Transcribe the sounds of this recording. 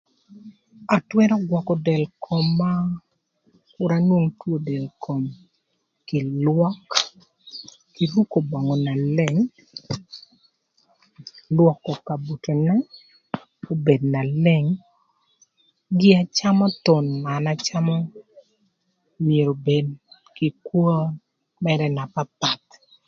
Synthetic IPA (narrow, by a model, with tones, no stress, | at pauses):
a˨twɛ˦ɾɔ˦ɡwɔ˨kɔ˨dɛ˨lkʰɔ˨mːa˦ | kʊ˦ɾa˦nwo˦ŋtwo˦dɛ˨lkʰo˨m | kɪ˨lwɔ˦k | ki˨ɾu˦ko˨ba˨ŋɔ˨na˨lɛ˦˨ŋ | lwɔ˨kːɔ˨ka˨bu˨to˨na˦ | o˦be˨dna˨lɛ˦ŋ | ɡɪ˦a˦t͡ʃa˦mɔ˦t̪ɔ˨nma˨na˦t͡ʃa˦mɔ˦ | mje˨ɾo˨be˨d | kɪ˨kwo˦ | mɛɾɛ˦na˨pa˦pa˨t̪